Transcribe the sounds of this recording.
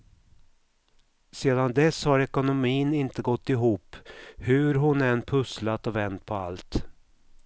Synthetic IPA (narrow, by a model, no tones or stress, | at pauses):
seːd̪and̪ɛshaɾɛkʊnʊmiːnɪnt̪əɡɔt̪ːɪɦuːpːhɵɾɦʊnɛnːpʰɵslat̪ɔvɛnt̪̚pʰɔa̰lt̪